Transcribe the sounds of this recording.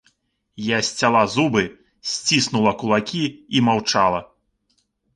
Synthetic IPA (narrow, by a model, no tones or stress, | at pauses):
jasʲt͡sʲalˠazubɨ | sʲt͡sʲisnulˠɐkulˠakʲiimawt͡ʂalˠɐ